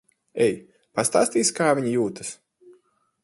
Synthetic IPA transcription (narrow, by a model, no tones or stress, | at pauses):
ɛj | past̪a̰ːst̪iːsʲkaːvʲiɲijuːt̪ḁs